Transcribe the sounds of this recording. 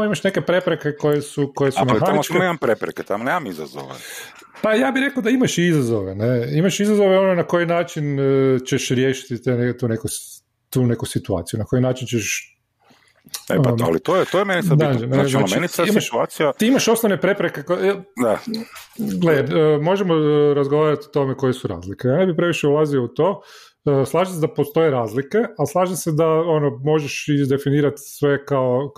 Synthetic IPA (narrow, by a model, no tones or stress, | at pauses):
amoimaʃne̞ke̞pɾe̞pɾeke̞ko̞jesuko̞jesumexaaist͡ʃnnemampɾepɾeket̪amonemamiza̰zo̰ʋḛ | pajaːbiɾe̞kaod̪aimaʃiizazoʋeneimaʃizazo̞ʋeo̞nonako̞jinaːt͡ʃint͡ʃeʃɾjeːʃi̥t̪it̪enet̪une̞ku | t̪uːnekusit̪ua̰ːt̪sijunako̞jinaːt͡ʃint͡ʃeʃ | ḛa̰lit̪ojet̪ojemenisad̪ad͡ʒeneaznat͡ʃeinisaimaʃt̪uaːt̪sijaiimaʃo̞snoʋnepɾe̞pɾekekod̪a | ɡlemo̞ʒemoɾazɡoʋaːɾat̪ot̪o̞meko̞jesuɾa̰ːzlikejaːne̞bipɾe̞ʋiʃeulˠazio̞ut̪oː | slˠaːʒised̪apost̪o̞je̞ɾaːzlike̞aslˠaːʒise̞d̪aonomo̞ʒeʃiʒd̪e̞finiːɾat̪sʋe̞kao